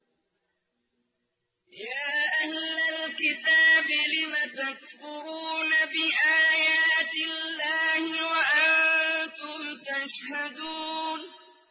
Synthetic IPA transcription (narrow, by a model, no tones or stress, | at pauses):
jaːʔahlalkɪt̪aːbɪlɪmat̪akfʊɾuːnabɪʔaːjaːt̪ɪllːaːhɪwaʔant̪ʊmt̪aʃhad̪uːn